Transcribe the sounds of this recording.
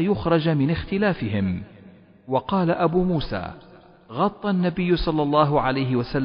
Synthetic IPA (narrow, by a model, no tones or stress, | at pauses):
jʊxɾˤɑd͡ʒmɪnɪxt̪ɪlaːfɪɦɪm | wɑqɑːlaʔabuːmuːsa̰ː | ɣɑt̪ˤːɑnːabɪjːʊsˤɑlːɑlˤːɑːɦʊʕalajɦɪwasalː